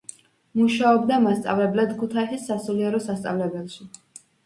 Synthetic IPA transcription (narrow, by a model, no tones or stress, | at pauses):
muʃaɔbd̪amast̪sʼa̰vlɛblɛd̪kʰut̪ʰaisisːasuliɛɾɔsast̪sʼa̰vlɛbɛlˠʃi